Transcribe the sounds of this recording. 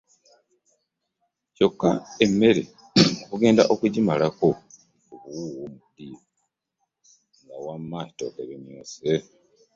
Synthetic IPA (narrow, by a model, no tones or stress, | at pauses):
co̞kːaemːe̞ɾe | kuɡe̞ːndaʔo̞kuɟimalako̞ | oβuwuwomudiːo | ŋɡawamːaːi̥to̰keβemjoːse